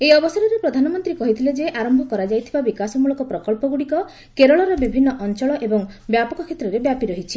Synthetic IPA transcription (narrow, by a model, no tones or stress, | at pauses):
ejɔbɔsɔɾɔɾepɾɔd̪ʱanɔmɔnt̪ɾikɔɦit̪ʰiled͡ʒeʔaɾɔmbʱɔkɔɾad͡ʒajt̪ʰibabikasɔmuɭɔkɔpɾɔkɔlpɔɡuɽikɔ | keɾɔɭɔɾɔbibʱinːɔʔɔnt͡ʃɔɭɔʔebɔŋbjapɔkɔkʰet̪ɾɔɾebjapiɾɔɦit͡ʃʰi